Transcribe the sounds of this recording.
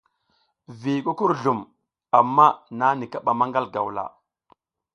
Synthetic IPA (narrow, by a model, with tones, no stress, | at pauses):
vi˨ku˦ku˦ɾɮu˨m | a˨mːa˦na˦ni˨ka˦ɓa˨ma˦ŋɡa˦lɡa̰˨wla̰˨